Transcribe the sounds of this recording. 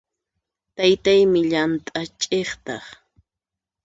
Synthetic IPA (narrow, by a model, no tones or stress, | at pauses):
t̪ajt̪ajmɪʎant̪ʼat͡ʃʼeχt̪ɑχ